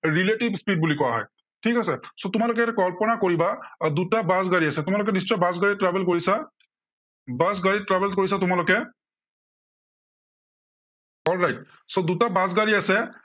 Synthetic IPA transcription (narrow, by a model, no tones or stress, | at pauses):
ɹileʈibspid̚bulikɔaɦɔ̰j | ʈʰikasɛsotʊmalʊkɛkɔɹpɔnakoɹibadutabazɡaɹiasɛtʊmalʊk̬ɛnist͡ʃɔjbazɡaɹitɹabɛlkoɹisa | bazɡaɹitɹabɛlkoɹisatʊmalɔkɛ | ɔlɹajt̚ | sodutabazɡaɹiasɛ